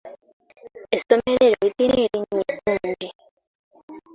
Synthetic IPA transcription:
esomeɾeɾoɾitiɾeɾiɲekuːɲɟi

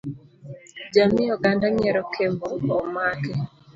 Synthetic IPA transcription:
d͡ʒamɪɔɡandaɲɛɾɔkʰemboːmakɛ

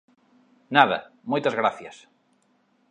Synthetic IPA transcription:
naðɐ̰mojt̪ɐzɣɾaθjɐs

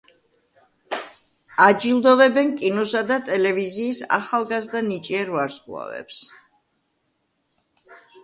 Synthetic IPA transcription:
ad͡ʒilˠd̪ɔvɛbɛnkʼinɔsad̪at̪ʼɛlɛviziːsa̰χalˠɡazɾd̪anit͡ʃʼiɛɾvaɾskʼwlˠa̰vɛ̰ps

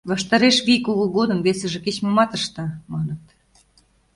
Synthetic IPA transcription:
βɑʃt̪ɑɾeʃβikuɣuɣod̪əmβesə̆ʒĕket͡ɕmɤmɑt̪əʃt̪ɤ̆mɑnət̪

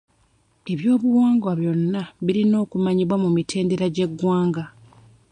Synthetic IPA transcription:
e̞βjo̞ːβuwaːŋɡwaβjo̞nːaβilino̞ːkumaɲiβwamumitʰe̞ːnde̞ɾaɟe̞ɡːwaːŋɡa

